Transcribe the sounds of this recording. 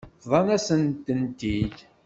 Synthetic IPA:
ðˤɑnæsənt̪ənt̪id

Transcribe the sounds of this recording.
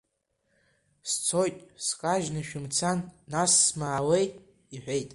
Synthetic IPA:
st͡sʰo̞jtʼskʼaʒnɨʃᶣɪmt͡sʰanːasːmaːwejʼ | iħʷe̞jtʼ

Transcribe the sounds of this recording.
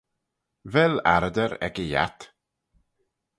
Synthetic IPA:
vɛlaɾd̪əɾɛ̰kəja̰t̪

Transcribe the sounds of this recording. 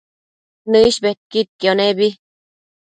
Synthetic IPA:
nɨiɕbet̪̚kit̪̚kjonebi

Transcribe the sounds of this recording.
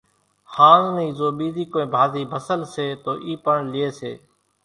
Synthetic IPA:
hãːzniːzoːɓiːziːkoːĩːbʱaːziːbʱəsəlseːt̪oːʔiːpəɳlɪjeːsḛː

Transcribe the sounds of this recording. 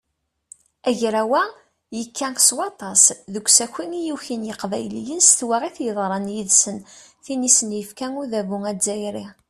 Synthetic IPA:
æʝɾæwæ | jəkʰːæŋkswɑt̪ˤɑsðəɡʷsæçʷinijuçinjəqvæjlijənst̪wæʁiθjəðˤɾˤənjiðsənθinisənjəfkæŋuðævuŋæzːæjɾi

